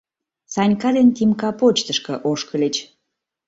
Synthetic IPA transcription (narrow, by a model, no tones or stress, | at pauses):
sɑnʲkɑd̪ent̪imkɑpot͡ɕt̪əʃkə̆ʔoʃkəlʲet͡ɕ